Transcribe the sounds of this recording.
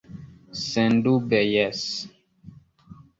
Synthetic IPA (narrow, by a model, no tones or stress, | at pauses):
sɛndubɛjɛs